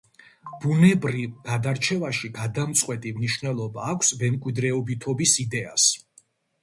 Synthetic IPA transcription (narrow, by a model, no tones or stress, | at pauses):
b̥unɛbɾivɡ̥ad̪aɾt͡ʃʰɛvaʃiɡad̪amt̪sʼqʼwɛt̪ʼimniʃvnɛlˠɔbaːkʷʰsvɛmkʼwid̪ɾɛɔbit̪ʰɔbisid̪ɛa̰s